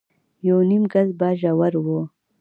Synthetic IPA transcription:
jownimɡazbɑːʒawaɾwo

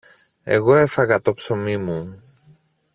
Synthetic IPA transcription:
e̞̰ɣo̞e̞fɐɣɐt̪o̞pso̞mimu

